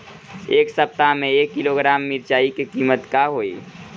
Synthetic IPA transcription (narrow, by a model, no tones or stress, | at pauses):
eːksəp̚t̪amẽeːkːiloɡɾaːmːiɾt͡ʃaːikekiːmət̪kaɦoːḭː